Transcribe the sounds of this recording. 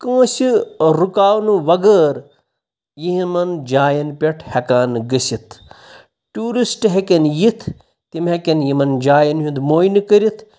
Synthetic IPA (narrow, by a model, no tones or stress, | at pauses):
kɐ̃ːsiɾukaːwnuʋɐɡəːɾ | jiɦimɐnd͡ʒaːjɐnpʲeʈʰhɐkaːnɡɐsit̪ʰ | ʈuːɾisʈɦekɐnjit̪ʰ | t̪imɦekʲɐnjimɐnd͡ʒaːjɐnɦũnd̪moːjnkɐɾit̪ʰ